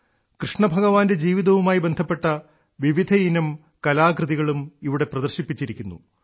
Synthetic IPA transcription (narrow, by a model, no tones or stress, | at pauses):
krɨʂɳɐbʱɐɣɐʋaːnde̞d͡ʑiːʋiðɐʋumaːjibe̞nd̪ʱɐpːe̞ʈːɐ | ʋiʋid̪ʱɐinɐm | kɐlaːkrɨðiɣɐɭumiʋiɽe̞prɐðɐrɕipːit͡ɕːiɾikʲːunːṵ